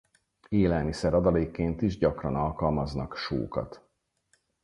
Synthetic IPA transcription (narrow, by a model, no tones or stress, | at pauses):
eːlɛlmisɛɾɒd̪ɒleːkːeːnt̪iʒɟɒkrɒnɒlkɒlmɒznɒkʃo̰ːkɒ̰t̪